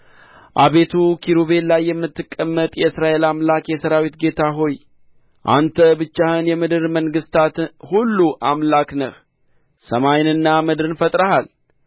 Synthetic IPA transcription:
ʔaβe̞t̪ʰukʰiɾuβe̞llːajːɛmːɨt̪ːɨkʼːəmːət̪ʼjɛɨsɾaʔe̞lamlakjɛsəɾawit̪ɡe̞t̪ʰaɦo̞j | ʔa̰nt̪ʰəbɨt͡ʃːahɨnjɛmɨd̪ɨɾməŋɡɨst̪ʰat̪hulːuʔamlaknəh | səmajnɨnːamɨd̪ɾɨnfət̪ʼɾəhal

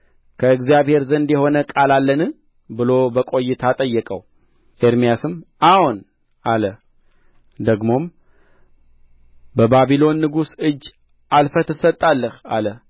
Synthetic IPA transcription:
kʰəɨɡzijaβhe̞ɾzənd̪jɛho̞nəkʼalalːənɨ | bɨlo̞bəkʼo̞jːɪt̪ʰat̪ʼəjːɛkʼəw | ʔeɾmijasɨmawun | ʔalə | d̪əɡmo̞m | bəbaβilo̞nːɨɡusɨd͡ʒː | ʔalfət̪ʰɨsət̪ʼːalːəhalə

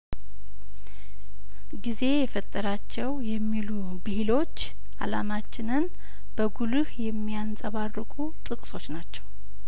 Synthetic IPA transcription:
ɡize̞jɛfət̪ʼːəɾat͡ʃːɛwjɛmːilu | bɨhilo̞t͡ʃː | ʔa̰lamat͡ʃːɪnɨn | b̥əɡulɨhjɛmːijansʼəβarːɨkʼut̪ʼɨkʼsʼo̞t͡ʃːnat͡ʃːɛw

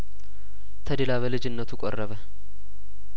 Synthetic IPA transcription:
t̪ʰəd̪elaβəlɨd͡ʒɪnːət̪ʰukʼɔ̰rːəβə

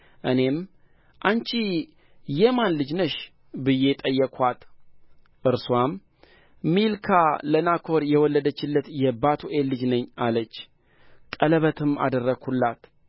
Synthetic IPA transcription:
ʔɨne̞m | ʔant͡ʃi | jɛmanlɨd͡ʒnəʃ | bɨje̞t̪ʼəjːɛkʰwat̪ | ʔɨɾswamː | ilkʰalənakʰo̞ɾjɛwɔlːəd̪ət͡ʃːɪlːət̪jɛbat̪ʰuʔelːɨd͡ʒnəɲːalət͡ʃː | kʼələβət̪ʰɨma̰d̪ərːəɡhulːat̪

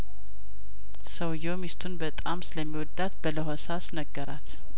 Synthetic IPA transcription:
səwjɛwmist̪ʰunbət̪ʼamsɨləmːiwɔd̪ːat̪bələɦosasnəɡːəɾat̪

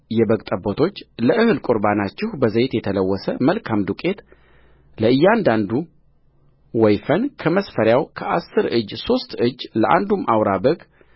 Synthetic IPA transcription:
jɛbəkʼt̪ʼəbot̪ʰo̞t͡ʃːləʔɨhɨlkʼuɾbanat͡ʃːɪhbəzəjet̪jɛt̪ʰələwːɔsəməlkʰamd̪ukʼe̞t̪ | ləɨjːand̪and̪u | wɔjfənkʰəməsfəɾjawkʰəʔasːɨɾɨd͡ʒːso̞st̪ɨd͡ʒːləʔa̰nd̪umːawɾabəɡ

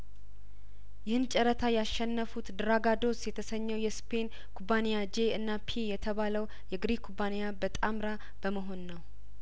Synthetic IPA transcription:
jɪhɨnt͡ʃʼɛɾət̪ʰajaʃːɛnːəfut̪d̪ɨɾaɡad̪o̞sjɛt̪ʰəsəɲːɛwjɛspʰe̞n | kʰubanejad͡ʒeɨnːapʰijɛt̪ʰəβaləw | jɛɡɾikʰubanejabət̪ʼamɾa | b̥əməɦo̞nːəw

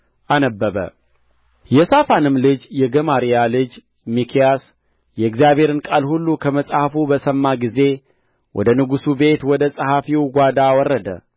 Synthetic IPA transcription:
ʔanəbːəβə̰ | jɛsafanɨmlɨd͡ʒjɛɡəmaɾijalɨd͡ʒ | mikʰijas | jɛɨkzijabʱhe̞ɾɨnkʼalhulːukʰəməsʼhafubəsəmːaɡize̞ | wʔɔ̰d̪ənɨɡusube̞t̪wɔd̪əsʼəhafiwɡʷad̪awɔrːəd̪ə̰

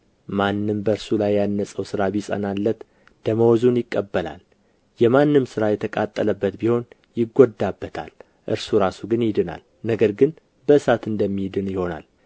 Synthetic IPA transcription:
manːɨmbəɨɾsulajːanːəsʼəwsɨɾabisʼə̰nalːət̪ | d̪̥əməwɔzunjɪkʼːəbːəla̰l | jɛmanːɨmsɨɾajɛt̪ʰəkʼat̪ʼːələbːət̪biho̞n | jɪɡːod̪ːabːət̪ʰa̰l | ʔɨ̰ɾsuɾasuɡɨnjɪd̪ɨna̰l | nəɡəɾɡɨn | bəɨsat̪ɨnd̪əmːijd̪ɨnjɪho̞na̰l

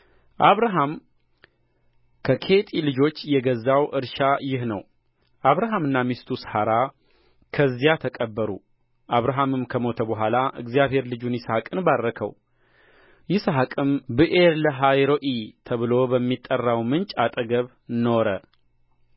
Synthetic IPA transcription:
ʔaβɾaɦam | kʰəkʰe̞t̪ʼilɨd͡ʒo̞t͡ʃːjɛɡəzːawʔɨɾʃajɪhnəw | ʔaβɾaɦamɨnːamist̪ʰushaɾa | kʰəzːijat̪ʰəkʼəbːəɾṵ | ʔaβɾaɦamɨmkʰəmo̞t̪ʰəbəɦʷalaʔɨ̰ɡzijaβɦhe̞ɾlɨd͡ʒunjɪsahakʼɨnbarːəkʰə̰w | jɪsaɦakʼɨmbɨʔeɾləɦajɾo̞ʔit̪ʰəβɨlo̞bəmːit̪ʼːərːawmɨnt͡ʃʼat̪ʼəɡəβ | no̞ɾə

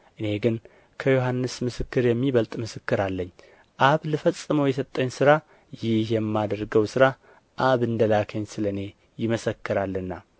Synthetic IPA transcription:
ʔɨne̞ɡɨn | kʰəjoɦanːɨsmɨsɨkːɨɾjɛmːiβəlt̪ʼmɨsɨkːɨɾalːəɲː | ʔaβlɨfəsʼːɨməwjɛsət̪ʼːəɲːsɨɾa | jɪhjɛmːad̪əɾɡəwsɨɾa | ʔaβɨnd̪əlakʰəɲsɨləne̞ | jɪməsəkːɨɾalːɨnːa

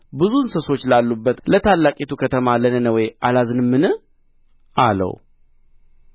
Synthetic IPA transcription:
bɨzunsəso̞t͡ʃːlalːubːət̪lət̪ʰalːakʼet̪ʰukʰət̪ʰəmalənənəwɔjʔalazɨnmːɨnɨ | ʔalə̰w

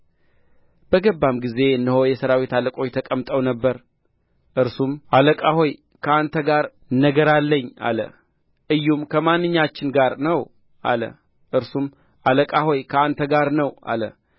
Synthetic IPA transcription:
b̥əɡəbːamɡize̞ɨnːəho̞jɛsəɾawit̪ʰaləkʼo̞t͡ʃt̪ʰəkʼəmt̪ʼəwnəbːəɾ | ʔɨɾsumaləkʼaho̞j | kʰəant̪ʰəɡaɾ | nəɡəɾalːəɲːa̰lə̰ | ʔɨjːumkʰəmanːɨɲːat͡ʃːɪnɡaɾnəw | ʔa̰lə̰ | ʔɨɾsum | aləkʼahojkʰəant̪ʰəɡaɾnəwʔa̰lə̰

